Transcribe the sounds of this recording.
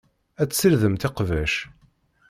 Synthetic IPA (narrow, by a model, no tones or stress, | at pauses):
æt͡sːsəɾðəmt̪ɪqvæʃ